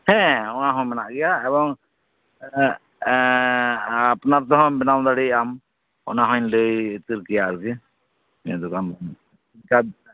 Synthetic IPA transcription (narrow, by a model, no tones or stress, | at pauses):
hɛ̃ɔnaɦɔ̃mɛnaʔɡɛjaɛbɔŋ | apnaɾt̪ɔɦɔ̃bɛnawd̪aɽiam | ɔ̰naɦɔ̃nləjːt̪iɾkijaɾkɛ | ɛ̃d̪ɔkan | kad̪̚